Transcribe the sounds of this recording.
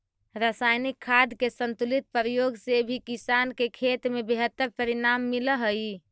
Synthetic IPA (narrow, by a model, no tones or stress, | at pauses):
ɾasajnikʰːad̪ʱkesənt̪ulit̪̚pəɾəjoɡsebʱikisankekʰet̪mebeɦət̪ːəɾpəɾinamːiləɦəj